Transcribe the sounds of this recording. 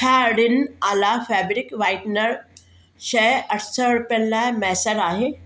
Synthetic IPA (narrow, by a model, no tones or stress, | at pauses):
kʰaɽinalafæbɾikʋaiʈnəɾ | ɕɛjəʈʰsəɽpɛlːamɛɦsəɾaɦe